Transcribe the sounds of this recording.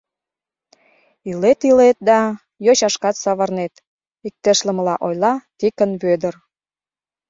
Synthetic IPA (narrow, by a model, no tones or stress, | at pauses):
ilet̪ilet̪̚d̪ɑ | joɕɑʃkɑt̪sɑβɑrnet̪ | ik̚t̪əʃlə̆məlɑʔojlɑt̪ikənβød̪ər